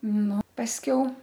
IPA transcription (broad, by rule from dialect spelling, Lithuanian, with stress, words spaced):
ˈnʊ pɐsʲˈkʲɛʊ